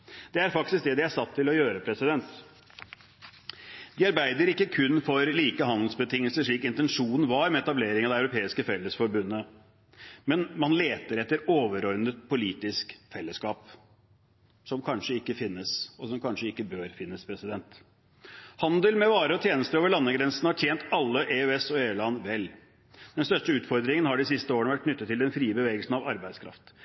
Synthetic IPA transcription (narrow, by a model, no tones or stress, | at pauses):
d̪̥ɛæɾfɑk̚t̪ɪsk̚d̪ɛd̪ɪæsɑt̪ʰːɪlɔjøːɾəpʰɾɛsɪd̪ɛnt̪ | d̪̥ɪɑɾbæɪd̪əɾɪkːəkʰʉnːfɔɾliːkəɦɑnd̪l̩sbət̪ʰɪŋːəlsəʂɭiːkɪnt̪ɛnʂuːnn̩ʋɑɾmɛɛt̪ɑbleːɾɪŋɑd̪ɛæʉɾʊpʰeːɪskəfɛlːəsfɔɾbʉnːə | mɛnmɑnleːt̪əɾɛt̪ːəɾoːʋəɾɔɾnət̪̚pʰʊliːt̪ɪskfɛlːəskɑːp | sɔmkʰɑnʂəɪkːəfɪnːəsɔsɔmkʰɑnʂəɪkːəbøːɾfɪnːəspʰɾɛsɪd̪ɛnt̪ | hɑnd̪əlmɛʋɑːɾəɔt̪ʰjeːnəst̪əɾoːʋəɭɑnːəɡɾɛnsn̩hɑʈʰjeːnt̪ɑlːəʔeːʉɛsɔeːʉːlɑnʋɛl | d̪ɛnst̪œʂʈəʉːt̪fɔɾd̪ɾɪŋənhɑɖɪsɪst̪əoːəɳəʋæʈ̚ːnʏt̪ːət̪ʰːɪld̪ɛnfɾiːəbəʋeːɡəlsn̩ɑʋɑɾbæɪd̪skʰɾɑ̰ft̪